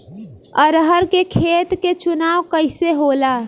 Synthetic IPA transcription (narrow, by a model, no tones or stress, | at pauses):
əɾəɦəɾkekʰeːt̪ket͡ʃʊnaːʋkəɪseɦoːlaː